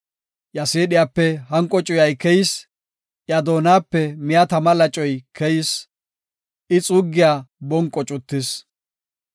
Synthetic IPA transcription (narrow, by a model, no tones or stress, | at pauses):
jɐseːɗɪjapːɛhɐŋkʼɔt͡ʃʼʊjɐjkɛjɪs | ʔjɐd̪o̞ːnaːpːɛmɪjat̪ɐmɐlɐt͡ʃʼɔjkʰɛjɪs | ɪt͡sʼʊɡːɪjaːbɔŋkʼːɔt͡ʃʼʊt̪ːɪs